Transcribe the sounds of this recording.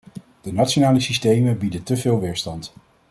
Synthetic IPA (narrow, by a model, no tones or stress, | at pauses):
d̥ənatsonaːləsistejməbidətəvɪːlˠʋɪːɹstɑnt